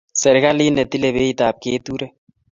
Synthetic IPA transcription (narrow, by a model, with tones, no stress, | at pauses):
sɛ˨ɾka˦li˦nɛ˨t̪i˦le˨βe˦i˨t̪aː˨p̚keː˦t̪uɾɛ˦